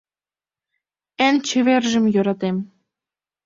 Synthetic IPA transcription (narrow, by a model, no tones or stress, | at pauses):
ɘ̆nʲt͡ɕɘ̆βerʒɘ̆mjŏɾɑt̪em